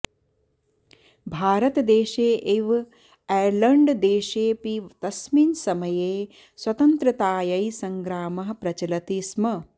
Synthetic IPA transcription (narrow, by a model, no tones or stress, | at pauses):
bʱaːɾɐt̪ɐd̪eːʃeːʔeʋ | ɛjɾlɐɳɖd̪eːʃeːpiʋt̪ɐsmiːnsɐmɐjeː | swɐt̪ɐnt̪ɾɐt̪aːjɐjsɐŋɡɾaːmɐɦɐ̆pɾɐt͡ʃɐlɐt̪iːsmɐ